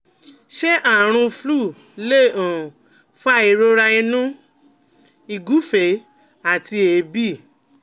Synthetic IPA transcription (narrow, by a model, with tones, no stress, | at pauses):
ʃe˦ʔa˦˨ɾ̃ũ˧flu˦˨ | le˦˨ã˨ | fa˦i˧ɾo˦ɾa˧i˧nũ˦ | i˧ɡu˨˦fe˨˦ | a˨ti˧e˨bi˦˨